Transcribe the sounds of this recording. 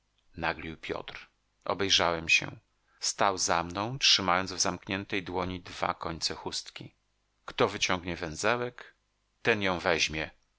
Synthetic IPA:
naɡlʲiwpʲjɔ̰t̪ɾ | ʔɔ̰bɛjʐawɛmɕɛ̰ | st̪awzamnɔ̃w̃tʂɘmajɔnd̪zvzamkɲɛnt̪ɛjd̪wɔɲid̪va̰kɔɲt̪sɛxust̪kʲḭ | kt̪ɔvɘt͡ɕɔŋɡɲɛvɛnzɛwɛk | t̪ɛnjɔ̃w̃vɛʑmʲjɛ

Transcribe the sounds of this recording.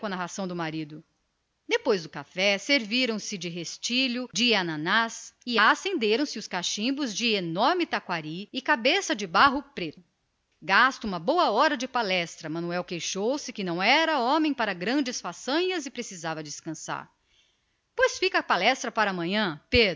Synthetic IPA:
kõɐnaɦasɐ̃w̃d̪ʊmaɾid̪ʊ | d̪epojzd̪ʊkafɛseɾviɾɐ̃w̃sɪd͡ʒɪɦest͡ʃiʎʊd͡ʒɪanɐ̃nasɪasẽnd̪eɾɐ̃w̃sɪʊskaʃĩbʊzd͡ʒɪenɔɾmɪt̪akwaɾiɪkabesɐd͡ʒɪbaɦʊpɾet̪ʊʊ | ɡast̪ʊũmɐbowɐɔɾɐd͡ʒɪpalɛst̪ɾɐmɐ̃nuɛwkejʃowsɪkɪnɐ̃w̃ɛɾɐõmẽj̃paɾɐɡɾɐ̃d͡ʒɪsfasɐ̃ɲɐzɪpɾesizavɐd͡ʒɪskɐ̃sa̰ɾ | pojsfikɐpalɛst̪ɾɐpaɾɐːmɐ̃ɲɐ̃ped̪

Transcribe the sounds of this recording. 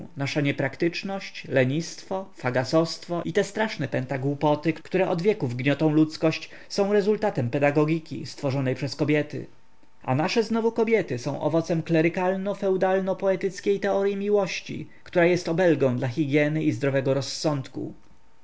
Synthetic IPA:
naʂaɲɛpɾakt̪ɘt͡ʂnɔɕt͡ɕlɛɲist̪fɔfaɡasɔst̪fɔʔit̪ɛst̪ɾaʂnɛpɛnt̪aɡwupɔt̪ɘkkt̪uɾɛʔɔd̪vʲjɛkuvɡɲɔt̪ɔ̃w̃lut̪skɔɕt͡ɕ | sɔ̃w̃ɾɛzult̪at̪ɛmpɛd̪aɡɔɡʲikʲḭst̪fɔʐɔnɛjpʂɛskɔbʲjɛt̪ɘ̰ | ʔa̰naʂɛznɔvukɔbʲjɛt̪ɘsɔ̃w̃ʔɔ̰vɔt̪sɛmklɛɾɘkalnɔfɛwd̪alnɔpɔɛt̪ɘt̪skʲejt̪ɛɔɾʲjimʲiwɔɕt͡ɕḭ | kt̪uɾajɛst̪ɔbɛlɡɔ̃w̃d̪laxʲiɡʲjɛnɘʔizd̪ɾɔvɛɡɔɾɔsːɔnt̪kṵ

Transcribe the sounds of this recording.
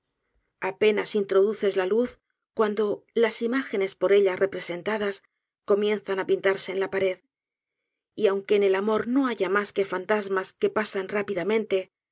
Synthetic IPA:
ape̞nasint̪ɾo̞ðuθe̞zlaluθ | kwand̪o̞lasimaxe̞ne̞spo̞ɾe̞ʎarʔe̞pɾe̞se̞nt̪aðas | ko̞mjẽ̞nθanapint̪aɾse̞ːnlapaɾe̞ð | iawŋke̞ːne̞lamo̞ɾno̞aʝamaske̞fant̪azmaske̞pasanrapiðamẽ̞nt̪e̞

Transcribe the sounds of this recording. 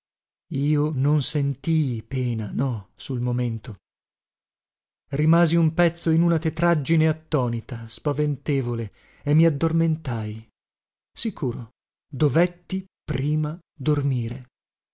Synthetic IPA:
iːononsent̪iːpɛːnanɔsulmoment̪o | rimaːziumpɛt̪sːoinunat̪et̪ɾad͡ʒːineat̪ːɔːnit̪aspavent̪eːvole | emːiad̪ːorment̪aj | sikuːɾo | d̪ovɛt̪ːipɾiːma | d̪ormiːɾe

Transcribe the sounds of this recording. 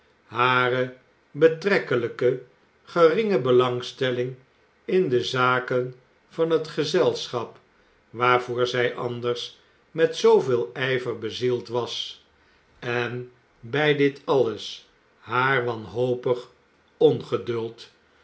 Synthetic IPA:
ɦaːrə | bətrɛkələkə | χərɪŋəbəlɑŋstɛlɪŋ | ɪndəzaːkən | vɑnɦətχəzɛlˠsχɑp | ʋaːɹvʊːɹzɛjʔɑndərs | mɛtsowvɪːlˠɛjvərbəzilˠtʋɑs | ɛn | bɛjdɪtɑləs | ɦaːɹʋɑnɦowpəχ | ɔnχədɵlˠt

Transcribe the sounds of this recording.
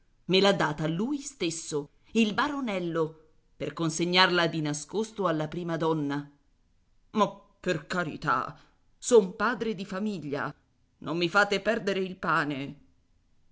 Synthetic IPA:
melad̪ːaːt̪alːuːjst̪esːo | ilbaɾonɛlːo | perkonseɲːarlad̪inaskost̪oalːapɾiːmad̪ɔnːa | mapːerkaɾḭt̪a̰ | sɔmpaːd̪ɾed̪ifamiʎːa̰ | nomːifaːt̪epɛrd̪eɾeilpaːne

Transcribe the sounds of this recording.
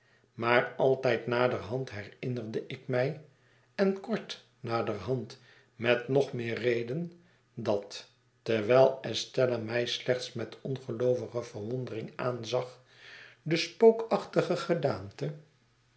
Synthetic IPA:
maːrɑlˠtɛjtnaːdərɦɑntɦɛrɪnərdəʔɪkmɛj | ɛnkɔɹt | naːdərɦɑnt | mɛtnɔχmɪːrrejdən | dɑtː | ɛɹʋɛlˠɛstɛlamɛjslɛχtsmɛtɔnχəlowvəχəvəɹʋɔndərɪŋa̰ːnzɑχ | dəspowkɑχtəχəχədaːmtə

